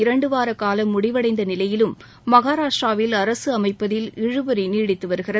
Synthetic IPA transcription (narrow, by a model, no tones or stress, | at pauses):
ɪɾɐɳɖɯʋaːɾɐkːaːlɐmːʊɽɪʋɐɽɐɪnd̪ɐnɪlɐjɪlɯmː | ɐɣaːɾaːʂɾaːʋɪlɐɾɐsɯɐmɐɪpːɐðɪlɪɻɯbɐɾiniːɽɪt̪ːɯʋɐɾɯɣɪrɐ